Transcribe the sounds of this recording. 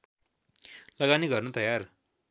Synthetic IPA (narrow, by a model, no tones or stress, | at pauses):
lʌɡaniɡʌrnot̪ʌjar